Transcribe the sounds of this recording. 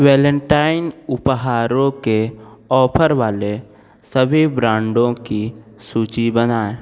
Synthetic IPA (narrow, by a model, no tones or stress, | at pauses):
wɛːlə̃ɳʈaːɪnʊpɦaːɾõkeɔːpʰəɾʋaːle | səbʱibɾãːɳɖõkisuːt͡ʃibənaːe